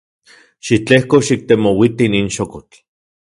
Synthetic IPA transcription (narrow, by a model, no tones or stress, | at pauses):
ʃit͡ɬehkoʃik̚t̪emowit̪iniːnʃokot͡ɬ